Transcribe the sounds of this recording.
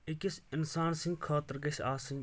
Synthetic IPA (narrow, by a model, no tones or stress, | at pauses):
ɪkʲisɪnsaːnsɪ̃ŋɡkʰaːt̪ɪɾɡɐʃaːsiŋɡ